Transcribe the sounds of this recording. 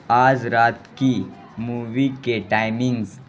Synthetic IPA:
aːd͡zɾaːt̪ki | muːʋikeʈaːjmĩŋɡz

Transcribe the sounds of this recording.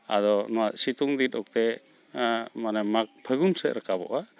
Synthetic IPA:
a̰d̪ɔnɔwat̪̚sit̪uŋd̪it̪ɔk̚t̪ɛ | manɛmak̚pʰəɡunsɛʔ̪̚ɾəkabɔ̰ʔa

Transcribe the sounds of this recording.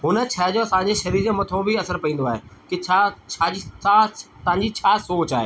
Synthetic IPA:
ɦʊnə̆t͡ɕʰɐɦd͡ʑosãɲ̆d͡ʑeʃɐɾiɾmɐt̪ʰõbʱiɐsəɾpɐĩːn̆d̪oaːɦeːkɪt͡ɕʰat͡ɕʰaːd͡ʑiat̪ãɲd͡ʑit͡ɕʰaːsoːt͡ɕaːɦeː

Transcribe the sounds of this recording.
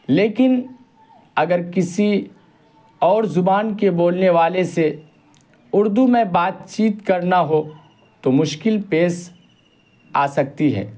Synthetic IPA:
leːkɪn | ɐɡəɾkɪsi | ɔːɾzʊbaːnkeboːlneʋaːlese | ʊɾd̪umẽbaːt̪̚t͡ʃiːt̪kɐɾnaɦo | t̪omʊʃkɪlpeːs | a̰ːsɐk̚t̪iɦɛ̰ː

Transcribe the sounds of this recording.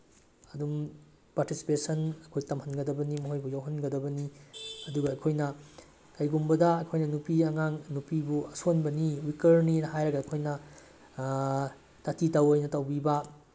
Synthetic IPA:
ɐdum | paɾtisi̥pesɐnɐkʰojtɐmhɐnɡɐdɐbɐnimɐɦojbujawɦɐnɡɐdɐbɐniɐduɡɐːjkʰojnɐ | kɐjɡumbɐdɐːjkʰojnɐnupiɐŋaŋnupibuɐsonbɐniwikɐɾninɦajɾɐɡɐːkʰojnɐ | tɐtʰitɐwɐjnɐtɐwbibɐ

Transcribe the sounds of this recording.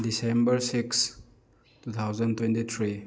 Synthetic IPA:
disembɐɾsiks | tut̪ʰawzɐntwentit̪ʰɾi

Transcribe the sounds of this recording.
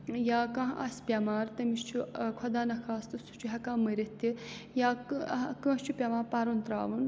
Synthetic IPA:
jaːkɐ̃ɦʔɐ̰sʲpʲɐmaːɾt̪ɐmiʃt͡ʃʰukʰwɐd̪aːnɐkʰaːst̪ɨst̪ʰu̥t͡ʃʰuɦɐkaːmɨɾet̪ʰːijaːkkə̃ːt͡ʃʰupʲɐmaːɾpɐɾunt̪ɾa̰ːʋun

